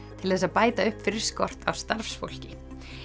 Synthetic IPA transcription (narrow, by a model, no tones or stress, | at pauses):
t̪ʰɪlθɛs̬aðpaːjt̪aʏhpfɪɾɪɾ̥skɔr̥t̪a̰wst̪aɾfsfo̰wl̥cɪ